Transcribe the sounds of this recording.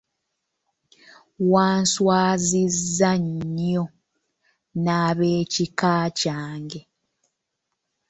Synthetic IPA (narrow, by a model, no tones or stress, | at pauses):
waːnswaːzizːaɲo | naβeːcikaːcaːŋɡe